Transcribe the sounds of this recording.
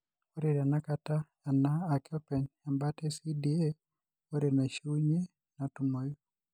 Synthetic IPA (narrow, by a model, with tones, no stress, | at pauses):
o˦ɾiɾa˨na˦kataː˨ | naː˨kɔ˦pɛ˨ɲa˨mbatɛsi˦die | o˦ɾena˨ʃu˦ɲe˦ | natu˨mɔ˨ju˦